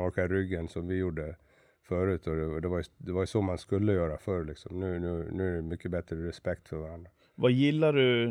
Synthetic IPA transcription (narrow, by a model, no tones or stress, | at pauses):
ɔːkaɾʏɡːənsɔmvɪjuɖːə | fœɾʉ̟ːt̪ɔd̪ɛd̪ɛvaɾjɵd̪ɛvaɾjɵsɔmanskɵlːəjœːɾafœɾɭɪksɔmnʉ̟ːnʉ̟ːnʉ̟ːæɖɛmʏkːəbɛt̪ɾəɾɛspɛkt̪fœɾvaɾand̪ɾa | vajɪlːaɖɵ